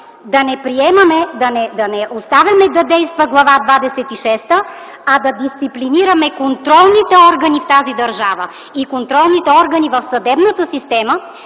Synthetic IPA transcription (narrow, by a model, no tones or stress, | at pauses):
d̪ɐnɛpɾiɛmɐmɛd̪ɐnɛd̪ɐnɛʔost̪avʲɐmɛd̪ɐd̪ɛjst̪vəɡlˠɐvad̪vad̪ɛsɛt̪iʃɛst̪ə | ɐd̪ɐd̪ist̪sipliniɾɐmɛkont̪ɾɔlˠnit̪ɛɔɾɡɐnift̪azid̪ɐɾʒavə | ikont̪ɾɔlˠnit̪ɛɔɾɡɐnivɐfsɐd̪ɛbnɐt̪əsist̪ɛmə